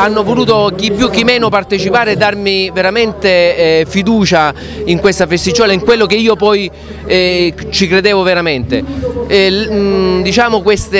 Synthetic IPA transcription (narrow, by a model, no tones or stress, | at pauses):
anːovoluːt̪ok̟ipːjuk̟ːimɛːnopart̪et͡ʃipaːɾeːd̪ːarmiveɾament̪efid̪uːt͡ʃa | iŋkwest̪afest̪id͡ʒɔːlaiŋkwelːok̟eiːopɔj | t͡ʃikɾed̪eːvoveɾament̪e | d̪it͡ʃaːmokwest̪e